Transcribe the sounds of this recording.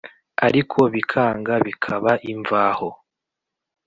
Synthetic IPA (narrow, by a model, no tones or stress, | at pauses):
aɾikʰo̞βikʰaːŋɡaβikʰaβaʔiɱvaːho